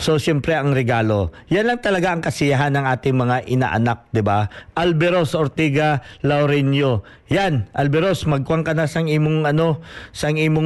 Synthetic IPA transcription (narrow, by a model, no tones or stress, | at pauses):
so̞sjɛmpɾɛʔɐŋɾɛɡaːlo̞ | janlɐŋt̪ɐlɐɡaʔɐŋkɐsɪjaɦanɐŋʔaːt̪ɪŋmɐŋaʔɪna̰ʔɐ̰nak̚d̪ɪbaʔɐlbɛɾosʔoɾt̪iːɡɐlɐwɾɛnjo | janʔɐlbɛɾo̞smɐɡ̚kʊwaŋkɐnasɐŋiːmoŋʔɐno̞sɐɐŋiːmoŋ